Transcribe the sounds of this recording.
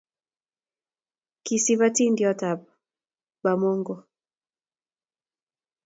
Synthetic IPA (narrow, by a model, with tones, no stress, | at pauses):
ki˨si˦βa˦ti˦ndjɔ˦ta˨b̚ | ba˨mo˦ŋɡo˨